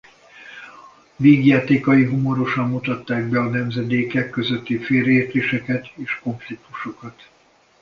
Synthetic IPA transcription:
veːɡjaːt̪eːkɒjiɦomo̞ɾo̞ʃɒmːut̪ɒt̪ːaːɡ̚bɛɒnɛmzɛd̪eːkɛkːøzøt̪ːifeːɾɛeːrt̪eːʃɛkɛt̪eːʃko̞ɱflik̚t̪u̥ʃo̞kɒt̪

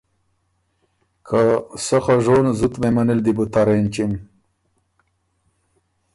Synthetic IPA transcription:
kʰasəxaʐonzut̪memanild̪ibut̪aɾent͡ʃim

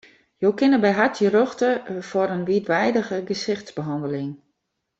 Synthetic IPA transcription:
joːkɪnəbɛjɦatjəɾøxtəfɔɾənʋiətʋɛjdəɣəɡəsɪxtsbəɦɔndəlɪŋ

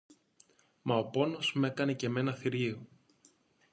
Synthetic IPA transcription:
mɐo̞po̞no̞zme̞kɐne̞ce̞me̞nɐθiɾio

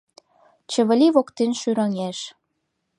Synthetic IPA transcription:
t͡ɕə̆βə̆lʲiβokt̪enʃyɾəŋeʃ

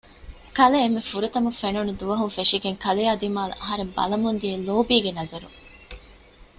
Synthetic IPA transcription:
kɐleːmːefuɾut̪ɐmufenunud̪uʋɐɦunfeʂiɡeŋkɐlejaːd̪imaːlɐ̰ʔɐɦɐɾembɐ̰lɐmund̪ieloːbiːɡenɐzɐɾṵŋ

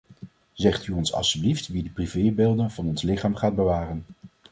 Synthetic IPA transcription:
zɛχtyɔnsɑ̰lˠstybliftʋidəprivejbeːlˠdənvɑnɔnslɪχaːmχaːd̚bəʋaːrən

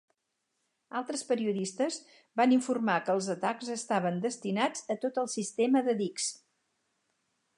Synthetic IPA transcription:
alˠt̪ɾəspəɾiuðist̪əz | baniɱfurmakəːlˠzət̪akzəst̪aβənd̪əst̪inad͡zət̪ot̪əlˠsist̪eməðəðiks

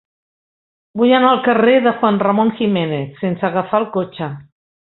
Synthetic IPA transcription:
bujanalˠkəreðəxwanrəmoŋximeneθːensəːɣəfalˠkot͡ʃə

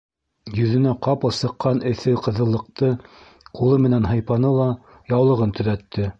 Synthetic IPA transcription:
jɵ̆ðɘ̆næqɑpɤ̆lˠsɤ̆qːɑnɘ̆θɘqɤ̆ðɤ̆lˠːɤ̆q̚t̪ɤ | qulˠɤmɘ̆nænɦɤ̆jpɑnɤlˠɑ | jɑwlˠɤ̆ʁɤnt̪ɵ̆ðæt̪ʰːɘ

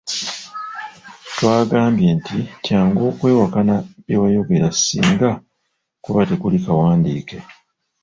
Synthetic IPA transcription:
twaːɡaːmbje̞ːntitjaːŋɡo̞ːkwe̞ːwakanaβjewajo̞ɡe̞ɾasḭːŋɡa | kuβate̞kulikawaːndiːke̞

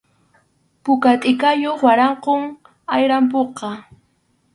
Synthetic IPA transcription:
pʊkat̪ʼɪkajoχwaɾɑɴqoŋ | ajɾamp̬oqɑ

